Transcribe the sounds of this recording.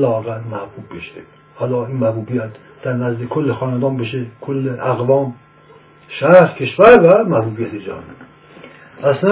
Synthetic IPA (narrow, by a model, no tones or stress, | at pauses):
lɒːɣæmæhbuːbːeʃe | hɒːlɒːinmæhbuːbijæt̪ | d̪̥æɾnæzd̪ekʰolːexɒːnænd̪ɒːmbeʃekʰolːeʔæɣvɒːm | ʃæɾɾkʰeʃvæɾvæmæhbuːbijæt̪ʰed͡ʒɒ̰ne | ʔæslæ